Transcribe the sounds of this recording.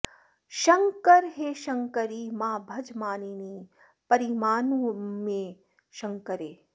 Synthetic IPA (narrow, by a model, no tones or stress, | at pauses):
ʃɐŋkɐɾɦeːʃɐŋkɐɾimãːbʱɐd͡ʒmaːniniː | pɐɾimaːnumẽ | ʃɐŋkəɾeː